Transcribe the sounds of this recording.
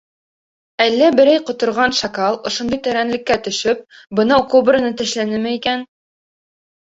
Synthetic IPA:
ælːæbɘ̆ɾæjqŏt̪ŏɾʁɑnʃɑkɑlˠŏʃŏnd̪ɤjt̪æɾænlɘ̆kːæt̪ɵ̆ʃɵp̚ | bɤ̆nɑwkobrɤ̆nɤt̪ɘ̆ʃlænɘmɘikæn

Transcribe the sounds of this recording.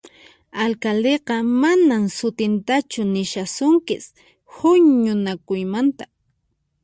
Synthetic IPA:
alkald̪eqɑmanamsʊt̪ɪnt̪at͡ʃʊnɪʃasʊŋkɪs | hʊɲʊnakʊjmant̪ḁ

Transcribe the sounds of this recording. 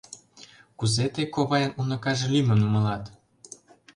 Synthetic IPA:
kuzet̪ekoβɑjɑnunɤ̆kɑʒelimə̆numɤ̆lɑt̪

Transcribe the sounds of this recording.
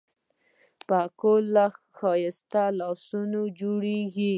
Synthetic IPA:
pakolːa | xɑjɪst̪alɑsunod͡ʒoɽeɡi

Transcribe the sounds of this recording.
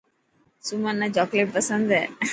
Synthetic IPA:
sumanːad͡ʑɔkleʈ̚pəsənd̪ʱɛ

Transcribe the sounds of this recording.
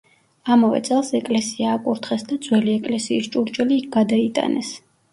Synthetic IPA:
amavɛ̰t̪sʼɛlˠsɛkʼlɛsiaːkʼuɾt̪ʰχɛsd̪ad̪zwɛliɛkʼlɛsiːst͡ʃʼuɾt͡ʃʼɛliːk̚ʰɡ̥ad̪ait̪ʼa̰nɛs

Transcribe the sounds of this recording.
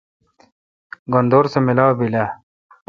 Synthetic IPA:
ɡond̪oːɾsemilaːwbila

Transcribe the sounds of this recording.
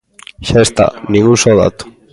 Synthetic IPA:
ʃaest̪a̰nĩŋɡusoða̰t̪u̥

